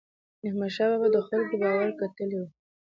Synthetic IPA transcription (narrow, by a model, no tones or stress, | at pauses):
nɪhmaʃababad̪əxalkobɑwaɾkat̪əlewu